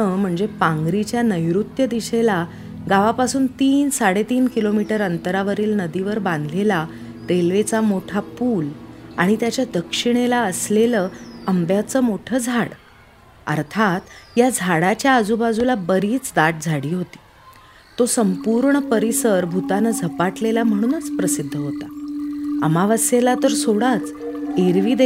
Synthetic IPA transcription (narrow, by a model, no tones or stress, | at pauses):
əm̤əɳd͡zepãŋɡɾit͡ɕjanəjɾut̪jəd̪iɕela | ɡaʋapasuːnt̪iːnsaɽet̪iːnkilomiʈəɾənt̪əɾaʋəɾiːlnəd̪iʋəɾbãnd̪ʱlela | ɾelʋet͡samoʈʰapuːlaɽ̃it̪jat͡ɕjad̪əkʂiɽ̃elaəsleləːəmbjat͡səːmoʈʰəːd͡zʱaɽ | ə̰ɾt̪ʰat̪jad͡zʱaɽat͡ɕjaəd͡zubad͡zulabəɾiːt͡sd̪aʈ̚d͡zʱaɽiːɦot̪i̥ː | t̪osəmpuɾɳəpəɾisəɾbʱut̪anad͡zʱəpaʈlelam̤əɽ̃uːnət͡spɾəsid̪ʱːəɦot̪a | əmaʋasjelat̪əɾsoɽat͡s | eɾʋiːd̪e